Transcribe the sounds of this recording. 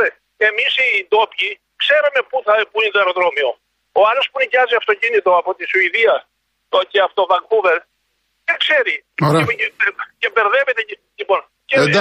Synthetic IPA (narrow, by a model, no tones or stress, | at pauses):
e | e̞misit̪o̞pçi | kse̞ɾume̞puθɐpuind̪oeɾoðɾo̞mio̞ | oɐlospunicɐziɐft̪o̞cinit̪o̞ɐpo̞t̪isuiðiɐ | oceɐft̪o̞vɐŋkuveɾ | ekse̞ɾioɾ | cebeɾðe̞vet̪ee | ʎipo̞n | ce